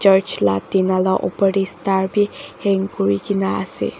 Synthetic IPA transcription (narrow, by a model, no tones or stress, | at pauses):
t͡ʃəɹt͡ʃla̰tinalaʔo̰pəɖistaɹbihɛŋkɔɹikinaa̰sḛ